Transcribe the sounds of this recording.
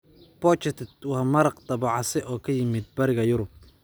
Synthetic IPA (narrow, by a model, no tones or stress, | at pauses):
b̥ɔt͡ʃɛt̪ʰt̪wɑmɐɾɐqd̪ɑβɑʕɑsɛʔɔːkʰɐjɪmɪd̪̚bɐɾɪɣɐjʊɾʊb̚